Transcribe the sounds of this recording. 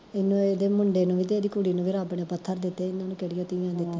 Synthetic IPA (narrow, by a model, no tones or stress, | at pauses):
ɪnːũːeːd̪eːmʊɳɖeːnũːʋiːt̪eeːd̪iːkʊɽiːnũːʋiːɾaːpɳeːpət̪ʰːəɾd̪ɪt̪ːeːɪnːãːnũːkɛɽɪjãːt̪ɪjãːd̪ɪt̪ːeː